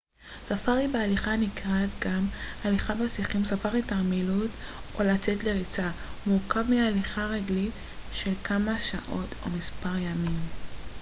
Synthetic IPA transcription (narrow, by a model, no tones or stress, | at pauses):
safaʁibealiχanikʁat̪ɡamaliχabasiχimsafaʁitaʁmilutʔo̞lat͡setle̞ʁit͡samukavmialiχaʁeɡlit | ʃe̞lkʰamaʃaʔo̞to̞̰mispaʁjamim